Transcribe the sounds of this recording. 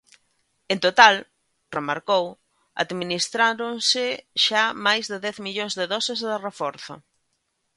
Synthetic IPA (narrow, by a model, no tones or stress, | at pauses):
ent̪ot̪al | remaɾkow | a̰ðminist̪ɾaɾonsɪʃamajzðɪðɛθmiʎoŋzðɪðɔsezðɪrefɔɾθʊ̰